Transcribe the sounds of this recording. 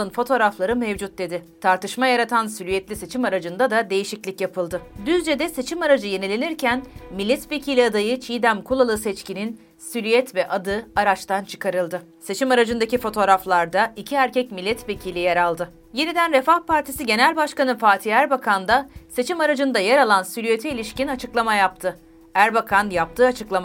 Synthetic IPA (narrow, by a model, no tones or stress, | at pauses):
ɯnfo̞t̪ʰo̞ːɾaflˠaɾɯmevd͡ʒut̪̚d̪e̞d̪ɪt̪ʰaɾt̪ɯʃmajaɾat̪ʰansylʲyjɛt̪lʲise̞t͡ʃʰimaɾad͡ʒɯnd̪ad̪ad̪e̞jiʃiclʲicjapʰɯlˠd̪ɯd̪yzd͡ʒed̪ɛse̞t͡ʃʰimaɾad͡ʒɯje̞nilʲe̞niɾcʰænmilʲːɛt̪ve̞cʰilʲiad̪ajɯt͡ʃʰiːd̪æmkʰulˠalˠɯsɛt͡ʃcinin | sylʲyjɛt̪vɛʔad̪ɯaɾat͡ʃt̪ʰant͡ʃʰɯ̥kʰaɾɯlˠd̪ɯ | se̞t͡ʃʰimaɾad͡ʒɯnd̪acifo̞t̪ʰo̞ːɾaflˠaɾd̪aicʰiæɾcʰɛcmilʲːɛt̪ve̞cʰilʲijeɾalˠd̪ɯ | je̞nid̪ænɾefahpʰaɾt̪ʰisiɟe̞nælʲbaʃkanɯfaːt̪ʰiæɾbakʰand̪ase̞t͡ʃʰimaɾad͡ʒɯnd̪ajeɾalˠansyɾyjet̪ʰɛilʲiʃcinat͡ʃʰɯklˠamajap̚t̪ʰɯ | æɾbakʰanjap̚t̪ʰɯːat͡ʃʰɯklˠama